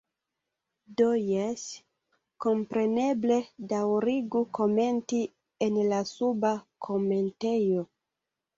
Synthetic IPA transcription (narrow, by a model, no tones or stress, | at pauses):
dojes | ko̞mpɾe̞ne̞ble̞dawɾiɡuko̞me̞nti | enlasubakʰo̞me̞nte̞jo̞